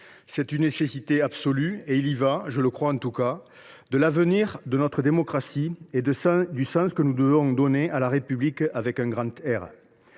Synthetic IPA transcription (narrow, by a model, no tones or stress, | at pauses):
sɛt̪ynːesesit̪eabsolyeilivaʒələkχwaɑ̃t̪uka | d̪əlavəniʁd̪ənɔt̪χəd̪emɔkχasied̪əd̪ysɑ̃skənud̪əvɔ̃d̪ɔnealaʁepyblikavɛkɛ̃ŋɡʁɑ̃t̪ɛʁ